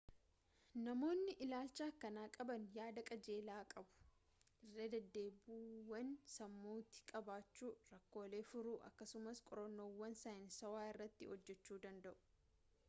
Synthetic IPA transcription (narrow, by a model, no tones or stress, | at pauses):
nɐmo̞ːnːɪʔɪlaːlt͡ʃaːkːɐnaːkʼɐbɐnjaːd̪ɐkʼɐd͡ʒe̞ːlaːkʼɐbʊ̥ | ʔɪrːeːd̪ɐd̪ːe̞ːbuːwɐnsɐmːuːt̪ɪ̥kʼɐbaːt͡ʃːuːɾɐkːo̞ːle̞ːfʊɾuːʔɐ̰kːɐsʊmɐskʼɔɾɐnːo̞ːwːɐnsaːɪnsɐwaːɪrːɐt̪ːɪ̰hɔd͡ʒːɛt͡ʃːuːd̪ɐnd̪ɐʔʊ̥